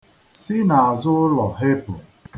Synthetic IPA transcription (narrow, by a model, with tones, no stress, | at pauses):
si˦na˨a˨zʊ˦ʊ˦lɔ˨ɦe˦pʊ˨